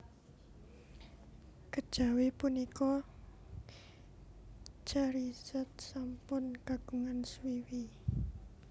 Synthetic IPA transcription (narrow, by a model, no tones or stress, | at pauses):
kəd̥ʒ̥a̤wepunikɔ | t͡ʃaɾisɛt̪̚sampʊnkaɡ̥uŋanswiwi